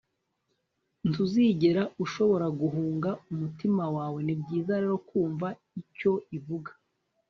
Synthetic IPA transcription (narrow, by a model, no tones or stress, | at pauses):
ntuziɟe̞ɾauʃo̞βo̞ɾaɡuɦuːŋɡaumutimawaːwe̞nibɟiːzaɾe̞ɾo̞kuːɱva | ico̞ivuɡḁ